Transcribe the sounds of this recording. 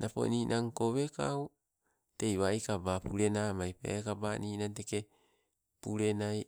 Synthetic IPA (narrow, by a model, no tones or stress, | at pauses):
nʔapo̞̰niːnʔaŋko̞βe̞ka̰o | te̞jβajkabapuɾe̞namajpeekabaniːnante̞ke̞ | puɾe̞naj